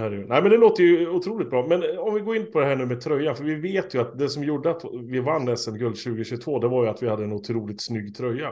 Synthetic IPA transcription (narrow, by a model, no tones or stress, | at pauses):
hæɾnæɪmɛnd̪ɛloːt̪ːəjɵʊt̪ʰɾuːlɪkt̪̚bɾɑːmɛnɔmvɪɡoːɾɪnpʰɔd̪ɛɦæːɳʉ̟ːmɛt̪ʰɾœjːanfœɾvɪveːt̪jɵat̪d̪ɛsɔmjuɖəat̪vɪvanːɛsːɛnɡɵld̪ɕʉ̟ːɡəɕʉːt̪voːd̪ɛvaɾjɵat̪vɪhad̪ːəɛnʊt̪ʰɾuːlɪt̪snʏɡːt̪ʰɾœjːa